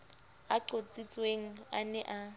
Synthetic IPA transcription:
aǃot͡sʼit͡sʼweŋ̩anɛʔa

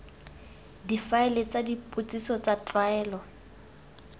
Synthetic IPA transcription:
difaɪlet͡sadipʼʊt͡sʼisɔt͡sat͡ɬʼwaɛːlɔ

